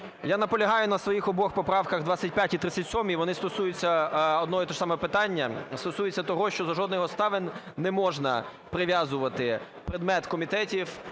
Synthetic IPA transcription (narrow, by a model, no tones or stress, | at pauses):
janɐpɔlʲɐɦɑjʊnɐsʋɔjixɔbɔxpɔpɾɑwkɐɣd̪ʋat͡sʲɐt̚ʲpʲjatʲit̪ɾɪt͡sʲːɐtʲsʲɔmʲiʋɔnɪst̪ɔsujʊt͡sʲːɐɔd̪nɔɦɔt̪ɔʃsɑmɔɛpɪt̪ɑnʲːɐst̪ɔsujɪt͡sʲːɐt̪ɔɦɔʃt͡ʃɔzɐʒɔd̪nɪɦɔst̪ɑʋɪn | nɛmɔʒnɐ̰ | pɾɪʋʲjazʊʋɐt̪ɪ | pɾɪd̪mɛt̪kɔmʲit̪ɛtʲiw